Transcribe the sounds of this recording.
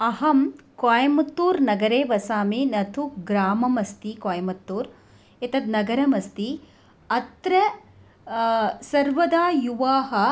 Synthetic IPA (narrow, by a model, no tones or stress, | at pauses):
ɐɦɐmkaːjɐmɐt̪ːuːɾnɐɡɐɾeːʋɐsaːminɐt̪ʰuɡɾaːmɐmɐst̪ikaːjɐmɐt̪ːuːɾ | it̪ɐd̪nɐɡɐɾɐmɐst̪i | ɐt̪ɾɐ | sɐɾʋɐd̪aːjuʋaːɦɐ̆